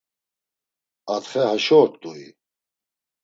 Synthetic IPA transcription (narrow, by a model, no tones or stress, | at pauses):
at̪χɛhaʃɔːtt̪ʼui